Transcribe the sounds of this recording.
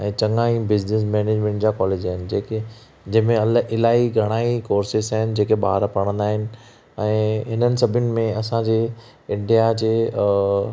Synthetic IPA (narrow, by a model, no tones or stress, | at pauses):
ɛ̃ːt͡ɕɐ̃ŋaːĩbɪd͡ʑnɪs̬mɛːneːd͡ʑmɛ̃ɳʈd͡ʑaːkɔːleːd͡ʑaːɦɪnɪ̆d͡ʑeːke | d͡ʑɐ̃ɦɪ̃mẽlɪlaːiɡʱɐɽ̃aːikoːɾsɪzaːɦɪnɪ̆d͡ʑeːkeɓa̰ːɾpɐɽ̃ə̃nd̪aːɦɪnɪ̆ | ɛ̃ːɦɪnənɪ̆sɐbʱʊnɪ̆mẽɐsãd͡ʑeː | ɪ̃ɳɖijad͡ʑeː